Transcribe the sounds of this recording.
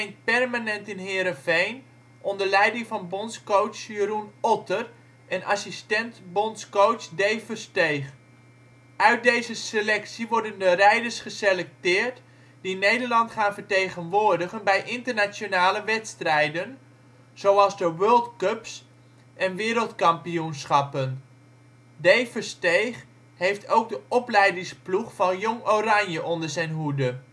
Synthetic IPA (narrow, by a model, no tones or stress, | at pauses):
ɪŋt̚pɛrmanɛntɪnɦɪːɾəfejn | ʔɔndərlɛjdɪŋfɑnbɔntskowt͡ʃjəɾunɔtər | ɛna̰sistɛntbɔntskowsdejfərstejχ | œɥt̚dejzəselɛksiʋɔrdəndərɛjdərsχəselɛk̚tɪːrt | dinejdəɹlɑntχaːnvəɹtejχənʋʊːɹdəχənbɛjʔɪntəɹnat͡ʃonaːləʋɛtstrɛjdən | z̥owɑlˠzdəʋøːlˠtkøps | ʔɛnʋɪːɾəlˠtkɑmpiunsχɑpən | dejfəɹstejχ | ɦejftʰowk̚dəʔɔplɛjdɪŋspluχfɑnjɔŋorɑɲjəʔɔndəɹzɛjnɦudə